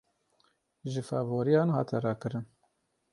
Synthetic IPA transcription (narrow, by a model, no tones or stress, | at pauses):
ʒɨfævoːɾijɑːnɦɑ̰ːt̪ʰɛɾɑːkɨɾɨn